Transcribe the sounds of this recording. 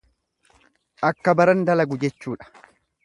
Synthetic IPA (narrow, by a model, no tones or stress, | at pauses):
ʔɐkːɐbɐɾɐnd̪ɐlɐɡʊd͡ʒɛt͡ʃːuːᶑɐ̥